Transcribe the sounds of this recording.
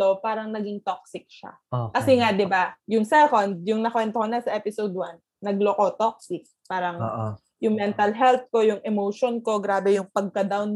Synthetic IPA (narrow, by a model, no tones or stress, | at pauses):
opaːɾɐŋnɐɡiŋt̪ok̚sɪk̚ʃa̰ | okɐsɛŋaʔd̪ɪbajʊŋsɛkond̪̚jʊŋnɐkwɛnt̪okonɐsɐʔɛpɪsowd̪wanːɐɡ̚loko̞t̪ok̚sɪk̚paːɾɐŋʔ | jʊŋmɛnt̪ɐlɦɛlt̪̚ko̞jʊŋʔɛmoʃonko̞ɡɾaːbɛjʊŋpɐɡ̚kɐd̪awn